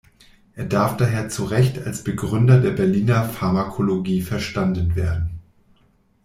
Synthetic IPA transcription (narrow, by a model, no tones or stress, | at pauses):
ʔeːɐdaɐfd̥aːɦeːɐt͡suʁɛçtʰalsb̥əɡʁʏndɐdeːɐbɛɐliːnɐfaɐmakʰoloɡiːfɛɐʃtandən̩veːɐdn̩